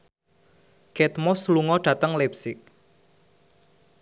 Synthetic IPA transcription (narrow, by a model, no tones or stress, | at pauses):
kɛt̪mɔsluŋɔɖ̥ä̤t̪əŋlɛpsɪk̚